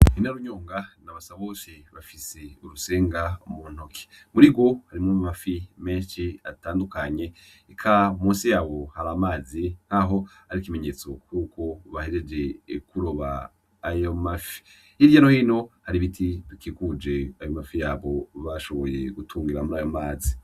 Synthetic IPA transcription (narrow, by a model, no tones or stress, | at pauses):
inaɾuɲoːŋɡanaβasaβoʃeβafiseuɾuse̞ːŋɡamun̥okʰe̥ | muɾiɡwo̞haɾimumafime̞ːnʃiataːndukaɲe̞ | ekʰamuːsijaːβo̞haɾamaːzin̥haɦo̞haɾikimeɲe̞t͡so̞kʰuːkʰo̞βahed͡ʒed͡ʒe̞kʰuɾoβa̰ː | jomafi̥ | ivjano̞hiːno̞haɾiβitʰiβikiːkud͡ʒe̞ajo̞mafijaːβo̞βaʃo̞βo̞jeɡutʰuːŋɡiɾamuɾaːjomaːzi